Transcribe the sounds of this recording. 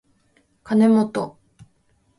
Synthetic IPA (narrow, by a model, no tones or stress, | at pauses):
kane̞mot̪o